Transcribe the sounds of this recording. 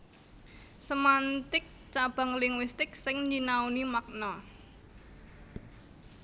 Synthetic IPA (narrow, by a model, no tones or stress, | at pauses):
səmant̪ɪk̚ | t͡ʃab̥a̤ŋlɪŋwist̪ɪksɪŋɲd͡ʒinaunimak̚nɔ